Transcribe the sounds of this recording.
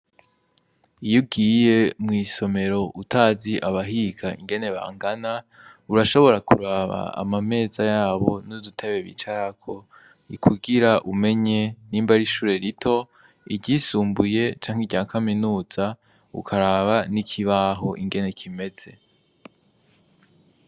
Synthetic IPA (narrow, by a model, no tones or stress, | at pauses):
ijuɡiːje̞mŋiːso̞me̞ɾo̞ʔutʰaːziʔaβaɦiɡʰaḭŋɡe̞ne̞βa̰ːŋɡana | uɾaʃo̞βo̞ɾakʰuɾaβa̰a̰mame̞ːzajaːβo̞nudutʰeβe̞βḭt͡ʃaɾakʰo̞ | ikʰuɡiɾaʔume̞ɲe̞niːmbaɾiʃuːɾe̞ɾitʰo̞ | iɟiːsuːmbuje̞t͡ʃaːŋhiɟaːkʰaminuːz̥a | ṵkʰaɾaβanikʰiβaɦo̞ʔiŋɡe̞ne̞kʰime̞z̥e̞